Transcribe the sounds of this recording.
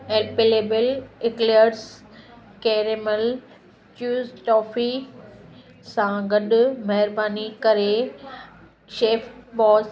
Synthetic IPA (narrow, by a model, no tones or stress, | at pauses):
eːlpeːleːbəlɪkleɾs | keːɾeməl | t͡ɕuːzʈɔːfʰi | sãɡɐɗʊmɐɦɪɾbaːnikɐɾe | ʃeːfbɔːs